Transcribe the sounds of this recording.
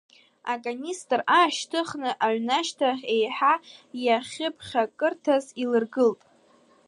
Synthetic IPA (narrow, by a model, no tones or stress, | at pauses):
akʼanistʼraːʃtʰɨχnɨʔaʕʷnaʃtʰaejħajaχʲɪpʰχʲakʼɨrtʰazilɨrɡɨltʼ